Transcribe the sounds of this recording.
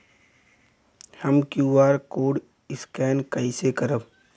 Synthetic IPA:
həmkjuːaːɾkoːɽ | ɪskɛːnkəisekəɾəb

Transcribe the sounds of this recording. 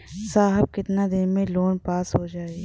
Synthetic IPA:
saːɦəb̚kɪt̪nad̪ɪnmẽloːnpaːsɦod͡ʒaːeɡi

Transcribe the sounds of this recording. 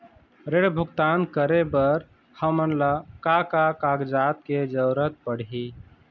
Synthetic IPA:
ɾeɽbʱʊɡt̪aːnkəɾebəɾ | həmənlakakakaɡd͡ʒaːt̪̚ked͡ʒəɾət̪̚pəɽ̤i

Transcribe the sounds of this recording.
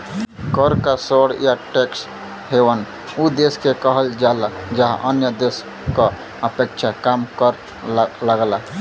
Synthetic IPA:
kəɾkasoɽjaʈeks | hewən | ud̪eskekəɦəld͡ʒalad͡ʒəɦa̰ʔənjəd̪es | kə | əpekt͡ʃʰakamkəɾ | laɡla

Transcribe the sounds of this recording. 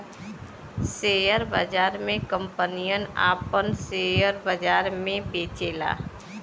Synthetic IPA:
seːjəɾbə̰d͡ʒaːɾmẽkə̃mpənijəna̰ːpənseːjəɾbəd͡ʒaːɾmẽbeːt͡ʃeːla̰ː

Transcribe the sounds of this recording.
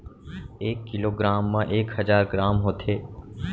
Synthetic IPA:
eːkːɪloːɡɾaːmːãːʔeːkhəzaːɾɡɾaːmɦoːt̪ʰeː

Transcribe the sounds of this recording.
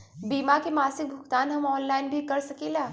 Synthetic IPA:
biːmakemaːsɪk̚bʱʊkt̪aːnɦɐmɔːnlaːɪnbʱikɐɾsɐkeːlaː

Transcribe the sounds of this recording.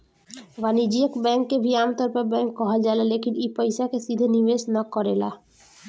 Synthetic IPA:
ʋanid͡ʒiekbɛ̃ŋkːebʱiaːmt̪ɔɾpɔɾbɛ̃ŋkːɔɦad͡ʒaelalekinipəjsakesid̪ʱeniʋesnakɔɾela̰

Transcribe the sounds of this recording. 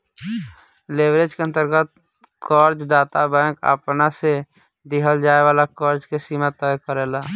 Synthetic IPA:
lebɾed͡ʒkeənt̪əɾɡət̪̚ | kɔːɾd͡ʒd̪aːt̪abɛ̃kə̰pnase | d̪ɪɦəld͡ʒaːeʋaːlakɔːɾd͡ʒkesimat̪əjkəɾeːlaː

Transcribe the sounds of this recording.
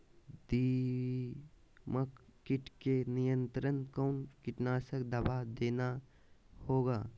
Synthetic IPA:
d̪i | məkkːɪʈkenɪjə̃nt̪ɾənkɔːnkɪʈnaːsəkd̪əbaːd̪eːna | hoːɡaː

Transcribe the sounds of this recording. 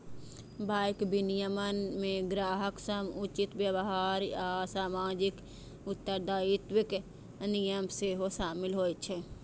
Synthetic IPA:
baːkbinijəmənmẽɡɾaːɦəksəmʊt͡ʃɪt̪wjəbəɦaːɾaːsaːmaːd͡ʒɪk | ʊt̪ːəɾd̪aːɪt̪wɪk | nijəmseːɦoʃaːmɪlɦoːit͡ʃʰe

